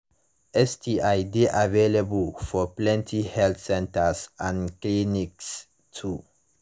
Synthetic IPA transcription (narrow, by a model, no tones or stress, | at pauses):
ʔɛstʰiʔaɪdeʔaveleblfɔplɛ̃ntʰihɛlθsɛ̃ntəsãnkliniks | tʰu